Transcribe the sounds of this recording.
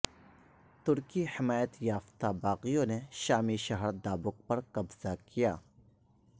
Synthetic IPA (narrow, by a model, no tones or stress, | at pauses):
t̪ʊɾkihɪmaːjət̪jaːft̪abaːqijõneʃaːmiʃɐɦəɾd̪aːbʊk̚pɐɾkɐbz̥akijaː